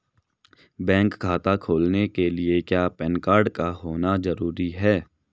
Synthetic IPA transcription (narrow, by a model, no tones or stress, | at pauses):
bɛ̃ːŋkkʰaːt̪akʰoːlnekeliekjaːpɛːnkaːɾɖkaɦoːnazɐɾuːɾiɦɛː